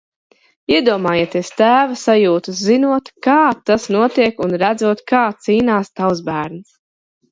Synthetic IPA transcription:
iɛd̪uɔmaːjiɛt̪est̪æːvasajuːt̪uszinuɔt̪kaːt̪asnuɔt̪iɛkunɾæd̪zuɔt̪kaːt̪siːnaːst̪awzbæːɾnu

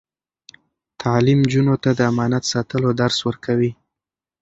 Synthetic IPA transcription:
t̪ʰɑlimd͡ʒunot̪ad̪əamɑnat̪sɑt̪əlod̪aɾswəɾkʰawi

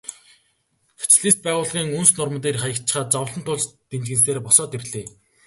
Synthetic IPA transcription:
xe̥t͡ɕɮeːspæːʁʊːɮʁiːŋɵnsnʊrmə̆t̪̬eːrχajə̆kt͡ɕɪ̥̆χaːt̪̚t͡sawə̆ɬə̆nt̪ʰʊɮt͡ɕt̪ent͡ɕɣɘ̆ns̬eːrpɔsɔːt̪erɮeː

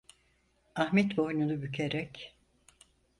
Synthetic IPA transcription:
ahmɛt̪bo̞jnunubycʰeɾɛc

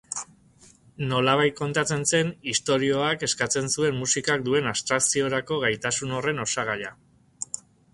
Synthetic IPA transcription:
no̞laβ̞ajt̪̚ko̞nt̪at͡se̞nse̞nist̪o̞ɾio̞ake̞skat͡se̞nsue̞mmusikak̚d̪ue̞nast̪ɾaksio̞ɾako̞ɣajt̪asuno̞re̞no̞saɣ̞aʎa

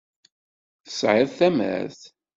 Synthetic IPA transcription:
θə̥sʕɪðˤθæmæ̰ɾθ

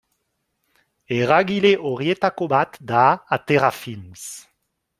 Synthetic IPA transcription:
eʁaɡileʔɔʁjet̪akobat̪d̪aat̪eʁafims

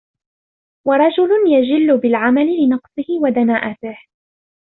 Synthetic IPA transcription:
wɑɾˤɑd͡ʒʊlʊnjad͡ʒɪlːʊbɪlʕamalɪlɪnɑqsˤɨhɪwad̪anaːʔat̪ɪh

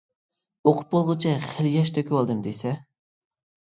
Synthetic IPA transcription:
oqʰʊ̥p̚bolˠʁʊt͡ʃʰɛχeljʲɛʃt̪ʰøkʲʰwɑlˠd̪ɨmd̪esɛ

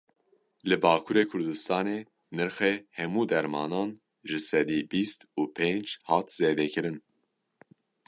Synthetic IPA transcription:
lɨbɑːkʰuːɾeːkʰʊɾd̪ɨst̪ɑːneː | nɨɾxehɛmuːd̪ɛɾmɑːnɑːn | ʒɨsɛd̪iːbiːst̪uːpʰend͡ʒhɑːt̪z̥eːd̪ɛkʰɨɾɨn

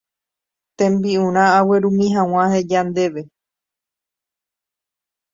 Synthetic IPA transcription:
t̪ẽ̞mbiũɾ̃ãːwe̞ɾũmĩɦãw̃ãhed͡ʒand̪e̞ʋe̞

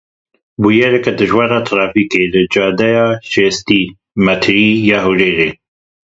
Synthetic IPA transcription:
buːjɛɾɛkɛd̪ɨʒwɑːɾɑːt̪ʰɾɑːfiːkeːlɨd͡ʒɑːd̪ɛjɑːʃeːst̪iː | mɛt̪ʰɾiːjɑːɦuʒeːɾeː

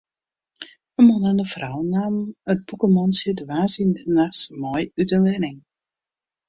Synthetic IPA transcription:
əmɔnandəfrawnaːmət̚bukəmɔnsjədʋaːsinnaxsmɔjytənʋɛnɪŋ

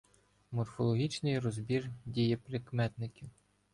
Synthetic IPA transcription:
mɔrfɔlˠɔɦʲit͡ʃnɪjrɔzbʲirdʲijɛpɾɪkmɛt̪nɪkʲiw

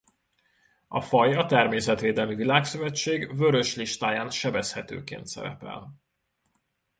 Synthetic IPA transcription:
ɒfɒjɒt̪ɛrmeːsɛt̪ʋeːd̪ɛlmivilaːksøvɛt͡ʃːeːɡvøɾø̞ʃliʃt̪aːjaːnʃɛbɛshɛt̪ø̰ːkḛːnt̪sɛ̰ɾɛ̰pɛ̰l

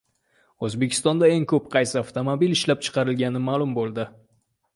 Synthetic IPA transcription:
ɵzbe̞kʲʰɪst̪ɒnd̪ae̞ŋkʰɵp̚qʰɑjsɪaft̪omobilɪʃlap̚t͡ʃʰɨ̥qʰɑɾɪlɡʲanɪmaːlˠʊmbolˠd̪ɪ

